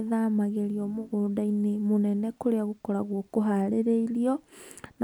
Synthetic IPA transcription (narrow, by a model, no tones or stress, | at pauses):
ðaːmaɣeɾiɔmoɣoːndainemonɛnɛkoɾeaɣokɔɾaɣwɔkoɦaɾeɾeiɾiɔn